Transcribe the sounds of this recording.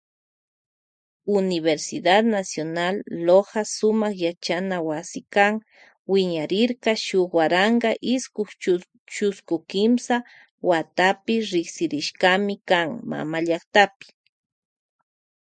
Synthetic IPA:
ʊnɪβeɾsɪd̪ad̪nasjonalːohasʊmɑχjat͡ʃanawasɪkaŋ | wɪɲaɾɪɾkɑʃʊχwaɾɑɴɢɑʔɪskʊχ | t͡ʃʊskʊkɪmsa | wat̪apɪɾɪksɪɾɪʃɢamɪkaŋma̰maʎaχt̪apɪ̥

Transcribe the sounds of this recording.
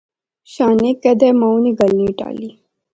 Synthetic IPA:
ɕaːneked̪emawniɡalniʈa̰li

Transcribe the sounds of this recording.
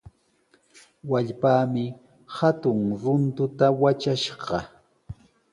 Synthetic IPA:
waʎpaːmɪ | hat̪ʊŋɾʊnt̪ʊt̪awat͡ʃaʃɢɑ

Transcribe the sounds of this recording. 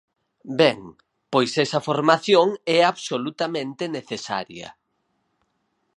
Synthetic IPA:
bɛŋ | pojsɛsɐfoɾmaθjoŋɛaβsolut̪amẽnt̪eneθesa̰ɾjɐ̰

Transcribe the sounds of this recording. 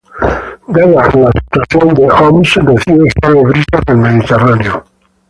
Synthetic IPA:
ɡ̪aðalasi̥t̪waθjond̪eɔmisdeθioest̪aleβɾitaðelmeðit̪eraneo

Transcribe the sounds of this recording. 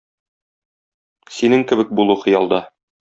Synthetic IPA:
sinɘŋkɘ̆bɘk̚bulˠuχɤ̆jɑlˠd̪ɑ

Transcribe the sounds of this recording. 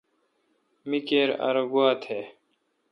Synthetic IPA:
mikeːɾa̰ɾoɡuaːt̪ʰeː

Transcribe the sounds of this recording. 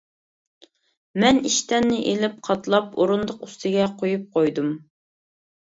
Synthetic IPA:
mɛniʃt̪ɛnːɪʔelɪp̚qʰɑt̪lˠɑpoɾund̪ʊqust̪ʰɪɡʲɛqʰojup̚qʰojd̪um

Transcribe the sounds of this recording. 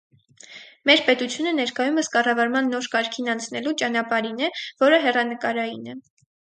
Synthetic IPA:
mɛɾpɛt̪ut͡sʰjunənɛɾkɑjuməskɑrɑvɑɾmɑnːɔɾkɑɾkʰinɑnt͡sʰnɛlut͡ʃɑn̪ɑpɑɾinɛvɔɾəɦɛrɑnəkɑɾɑjinɛ

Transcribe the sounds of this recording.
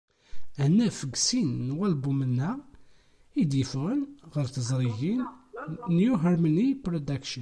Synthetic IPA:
hənːæfəɡsinːwælbumənːæ | id̪jəfʁənʁəɾθəzˤɾˤiʝinnjuɦəɾmənipɾod̪akʃə

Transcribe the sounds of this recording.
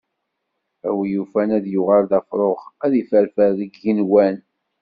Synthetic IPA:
æwijufænæðjʊʁalðæfɾˤoʁæðifæɾfæɾðəɡːinwæn

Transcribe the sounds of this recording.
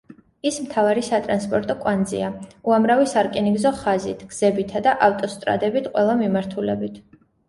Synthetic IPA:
ismt̪ʰavaɾisat̪ʼɾanspʼɔɾt̪ʼɔkʼwand̪zḭauamɾavisaɾkʼiniɡzɔχazit̪ʰɡ̥z̥ɛbit̪ʰad̪aʔaft̪ʼɔst̪ʼɾa̰d̪ɛbit̪ʰqʼwɛlˠamimaɾt̪ʰulɛbit̪ʰ

